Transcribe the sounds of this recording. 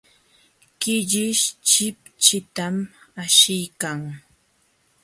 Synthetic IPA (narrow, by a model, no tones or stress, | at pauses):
kɪʎɪʃt͡ʃɪp̚t͡ʃɪt̪amaʃɪjkaŋ